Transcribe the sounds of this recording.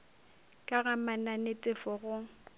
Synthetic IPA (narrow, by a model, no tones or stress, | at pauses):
kʼaɣamananetʼɪfɔɣʊ